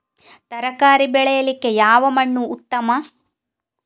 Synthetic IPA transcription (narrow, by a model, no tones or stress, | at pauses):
t̪ɐɾɐkaːɾibɛɭɛjɐlikːe̞jaːʋɐmɐɳːuːt̪ːɐmɐ